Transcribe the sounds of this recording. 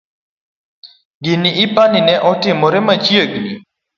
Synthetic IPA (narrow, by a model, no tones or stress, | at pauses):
ɡiniʔipaninɛʔɔʈ͡ʂimoɾemat͡ɕijəɡini